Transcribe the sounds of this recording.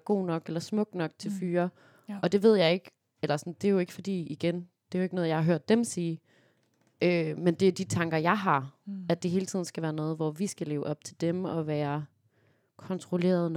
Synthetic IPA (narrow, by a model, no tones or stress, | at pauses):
ɡ̥o̝̰ːnɒ̽ɡ̥elɐsmɔ̽ɡ̥̚nɒ̽ɡ̥t͡sʰe̝lfyːɐ | ʔɒ̽d̥e̝ʋe̝ð̞̰ˠjɑ̈ɪe̝ɡ̥ | elɐsɒnd̥e̝æjo̝e̝ɡ̥əfɒ̽d̥ḭːiɡ̥en | d̥e̝æoeɡ̥nɔ̽ːð̩ˠjɑ̈hɑ̈ɦøɐ̰d̥ːemsiː | ʔømend̥e̝æd̥it͡sʰɑ̈ŋɡ̥ɐjɑ̈ɪɦɑ̈æd̥e̝ɦe̝ːlət͡sʰið̞̰ˠn̩sɡ̥æʋæːɐnɔ̽ːð̞̩ˠʋɒʋisɡ̥æle̝ːʊʔɒ̽b̥̚t͡sʰe̝ld̥emɒ̽ʋæːɐ | kʰɒ̽nt͡sʰʁole̝̰ːɐðˠn